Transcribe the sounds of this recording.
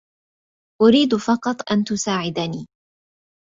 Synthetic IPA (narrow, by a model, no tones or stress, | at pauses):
ʔʊɾiːd̪fɑqɑt̪ˤʔant̪ʊsaːʕɪd̪aniː